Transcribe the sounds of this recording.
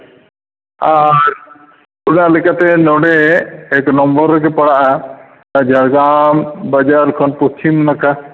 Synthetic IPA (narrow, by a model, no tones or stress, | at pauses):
aɾ | unaʔlɛkat̪ɛnɔɽɛːknɔmbɔɾːɛk̬ɛpaɽaʔa | ad͡ʒaɽɡambad͡ʒaɾkʰɔnpust͡ʃimnaka